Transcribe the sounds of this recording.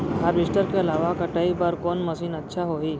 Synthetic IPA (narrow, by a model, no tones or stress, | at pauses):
ɦabisʈəɾkeəlaʋakəʈəibaɾkɔnməsiːnətːʃʰaɦoi